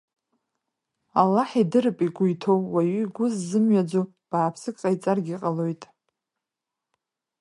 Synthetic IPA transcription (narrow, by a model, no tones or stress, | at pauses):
alːaħidɨɾɨpʼiɡʷʊjtʰo̞wwaɥiiɡʷʊzːɨmɥad͡zo | b̥aːpʰsɨkʼqʼajt͡sʼarɡʲiqʼalo̞jtʼ